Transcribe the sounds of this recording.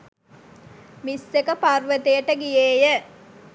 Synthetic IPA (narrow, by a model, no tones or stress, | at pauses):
misːekəparʋət̪ejəʈəɡijeːjə